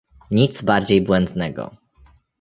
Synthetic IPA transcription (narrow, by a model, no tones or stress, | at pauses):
ɲit̪zbaɾd͡ʑejbwɛnd̪nɛɡɔ̰